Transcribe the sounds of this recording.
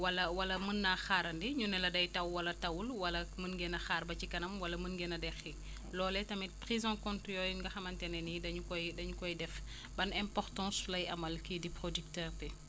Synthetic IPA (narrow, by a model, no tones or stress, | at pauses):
wɐlɐwɐlɐmənːaxaːɾɐndiɲunɛlɐdɐjtɐwwɐlɐtɐwulwɐlɐmənɡɛnɐxaːrbɐcikɐnɐmwɐlɐmənɡɛnɐdɛxi | lɔːlɛtɐmipɾizɔ̃kɔ̃ntjɔːjŋɡɐxɐmɐntɛnɛnidɐɲukɔjdɐɲukɔjdɛf | bɐnɛ̃mpɔrtɑ̃ːslɐjɐmɐlkidipɾodyk̚tɛːrtɛ